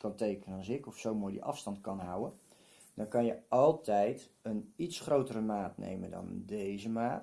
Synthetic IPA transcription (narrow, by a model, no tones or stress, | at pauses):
kɑntejkənəənzɪkɔfsowmojdḭʔɑ̰fstɑntkɑnɦawən | dɔnkɑnjəʔɑlˠtɛjt | ənitsχrowtərəmaːtnḛjməndɑ̰ndejzəmaːt